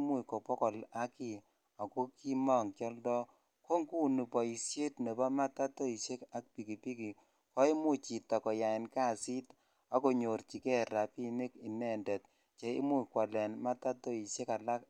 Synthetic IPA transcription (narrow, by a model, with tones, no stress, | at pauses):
mu˦i˨kɔ˨pɔ˦kɔ˨la˦ki˨ | a˨ko˦ki˦mɔ˦˨ŋkjɔ˦ldɔ˦ | ko˦ŋku˦˨nu˨pɔ˨i˨sje˦tne˨bɔ˦ma˦ta˦to˦i˨ʃe˦ka˨˦k̚pi˨ki˨pi˦ki˨ | kɔ˦i˦mu˦t͡ʃi˨tɔ˨kɔ˨ja˨ɪ˨nka˦˨si˦t | a˦ko˨ɲo˨rt͡ʃi˨kɛ˦ɾa˨pi˦ni˦ki˨nɛ˦˨ndɛ˨t̚ | t͡ʃe˨ḭ˦mu˦i˨kwa˨lɛ˨nma˦ta˦to˦i˨ʃe˦ka˨la˦k